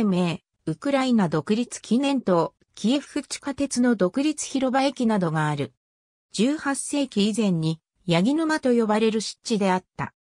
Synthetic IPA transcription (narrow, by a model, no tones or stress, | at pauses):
me̞ː | ɯ̟kɯ̟ɾainad̪o̞kɯ̟ɾʲit͡sɨ̥kʲinẽ̞nt̪o̞ | kʲie̞ɸɯ̟̥ɸɯ̟t͡ɕi̥kat̪e̞t͡sɨno̞d̪o̞kɯ̟ɾʲit͡sɨ̥çiɾo̞baekʲinad̪o̞ɡaːɾɯ̟ | d͡ʑɨːhasːe̞ːkʲiizẽ̞ɲ̟ːi | jaɡʲinɯ̟mat̪o̞jo̞baɾe̞ɾɯ̟ɕi̥tt͡ɕːid̪e̞at̪ːa̰